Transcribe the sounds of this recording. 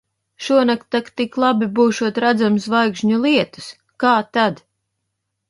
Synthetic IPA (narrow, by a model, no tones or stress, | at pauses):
ʃuɔnakt̪akt̪iklˠabibuːʃuɔt̪ɾad̪zamsvajkʃɲulˠiɛt̪u̥s | kaːt̪ad̪